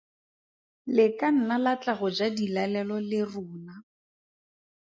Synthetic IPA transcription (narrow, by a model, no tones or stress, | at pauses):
lɪkan̩nalat͡ɬaɣʊd͡ʒadilalɛlɔlɪrʊːna